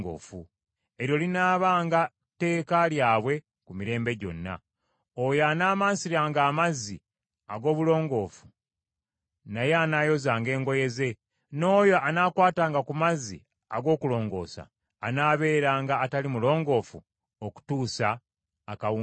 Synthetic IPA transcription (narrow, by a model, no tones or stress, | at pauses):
ɡo̰ːfu | e̞ɾjo̞linaːβaːŋɡa | te̞ːkaljaːβwe̞ | kumiɾe̞ːmbe̞ɟo̞̰nːa̰ | ojaːnaːmaːnsiɾaːŋɡaːmazi | aɡo̞ːβulo̞ːŋɡo̞ːfu | naje̞anaːjo̞zaːŋɡe̞ːŋɡo̞je̞ze̞ | no̞ːjo̞ʔanaːkwaːtaːŋɡakumazḭ | aɡo̞ːkulo̞ːŋɡo̞̰ːsa̰ː | naːβe̞ːɾaːŋɡaːtalimulo̞ːŋɡo̞ːfṵ | oku̥tuːsaː | kau